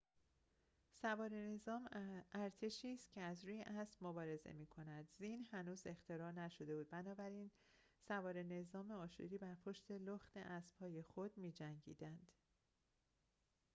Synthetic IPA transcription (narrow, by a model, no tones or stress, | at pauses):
sævɒːɾe̞ne̞zɒːmæɾt̪ʰe̞ʃiːst̪cʰe̞æzɾuːjeʔæsb̥mobɒːɾe̞zḛmiːkʰo̞næd̪zinhænuːze̞xt̪ʰeɾɒːnæʃo̞d̪e̞buːd̪̚bænɒːbæɾiːn | sævɒːɾe̞ne̞zɒːme̞ɒːʃṵd̪iːbæɾpʰo̞ʃt̪ʰe̞loxt̪e̞̰ʔæsb̥hɒːje̞xod̪̚miːd͡ʒæŋɟḭːd̪ænd̪̥